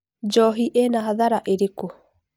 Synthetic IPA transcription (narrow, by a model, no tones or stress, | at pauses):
d͡ʒɔɦiʔenaɦaðaɾaʔeɾeko